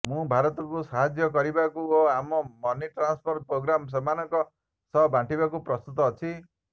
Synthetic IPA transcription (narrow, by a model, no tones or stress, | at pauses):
mũbʱaɾɔt̪ɔkusaɦad͡ʒjɔkɔɾibakuoamɔmɔniʈɾanspʰɔɾt̪̚pɾoɡɾams̬ɔmanɔŋkɔ | sʌbʱãɳʈibakupɾɔst̪ut̪ɔːt͡ʃʰi